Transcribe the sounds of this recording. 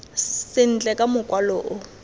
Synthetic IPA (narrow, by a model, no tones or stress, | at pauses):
sɪn̩t͡ɬʼɛkʼamʊkʼwaloːʔʊ